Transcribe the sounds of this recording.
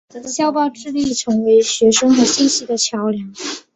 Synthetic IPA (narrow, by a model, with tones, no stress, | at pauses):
ɕjɑ˥ʊpɑ˥˧ʊʈ͡ʂɻ̩˥˧li˥˩ʈ͡ʂʰɤ˧˥ŋwe˧˥ɪɕɥɛ˧˥ʂɤ˥ŋxɤ˧˥ɕi˥˧nɕi˥d̪ə˨t͡ɕʰjɑ˧˥ʊljɑ˧˥ŋ